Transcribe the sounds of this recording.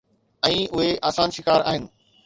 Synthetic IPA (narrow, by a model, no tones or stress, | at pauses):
ɛ̃ːʊɦeʔaːsaːnʃɪkaːɾa̰ːɦɪnɪ̆